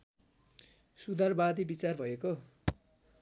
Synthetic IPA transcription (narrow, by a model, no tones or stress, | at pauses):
sud̪ʱarbad̪ibit͡sarbʱʌeko